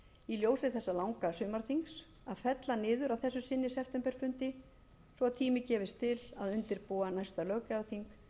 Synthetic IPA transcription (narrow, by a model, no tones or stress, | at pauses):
iljoːwsɪθɛsːalawŋkasʏːmaɾ̥θiŋks | aðfɛt̪lanɪːðʏɾawθɛsːʏsɪnːɪsɛpt̪ɛmpɛɾ̥fʏnt̪ɪ | svɔat̪ʰiːmɪcɛːvɪst̪ʰɪlaðʏnt̪ɪɾpuːanajst̪alœːɣkaθiŋk